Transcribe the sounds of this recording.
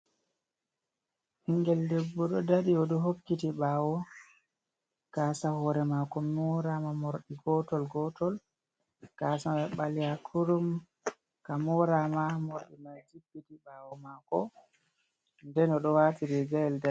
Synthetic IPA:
hiŋɡɛldɛbːɔɗɔdaɗiɔɗɔɦokːitiɓaːwɔ | kaːsahɔɾɛmakɔmɔɾamamɔɾɗiɡɔtɔlɡɔtɔl | kasaɛɓalihakʰuɾum | kamɔɾamamoɾɗimad͡ʒibːitiɓaːwɔmakɔ | ndɛnɔɗɔwatiɾɛɡajɛlda

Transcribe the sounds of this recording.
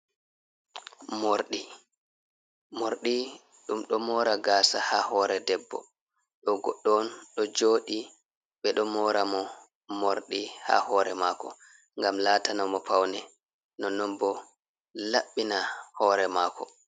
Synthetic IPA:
moɾɗi | moɾɗi | ɗumɗɔmɔːɾaɡaːsahahɔːɾɛdɛbːɔ̰ | ɗɔɡɔɗːɔnɗɔd͡ʒoːɗi | ɓɛɗɔmɔːɾamɔ | moɾɗiha̰hɔːɾɛ̰maːkɔ̰ | ŋɡamlaːtanamɔpawnɛ | nɔnɔmbɔ | laɓːinahɔːɾɛmaːkʰɔ

